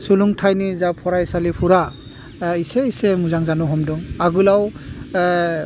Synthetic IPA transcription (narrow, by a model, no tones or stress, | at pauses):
suluŋtʰajnizapʰɔɾajsalipʰuɾa | iseisemuzaŋzanuɦɔmdɔŋaɡulaw